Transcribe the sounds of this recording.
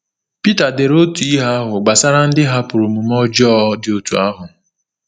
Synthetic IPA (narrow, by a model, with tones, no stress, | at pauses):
pi˦ta˨de˨ɾo˦tu˨i˦ɦa˦a˦ɦʊ˨ɡ͡ba˨sa˦ɾa˦n̩˦dɪ˦ɦa˦pʊ˨ɾu˨mu˨mɔ˦d͡ʒɔː˦dɪ˨o˨tu˨a˦ɦʊ˨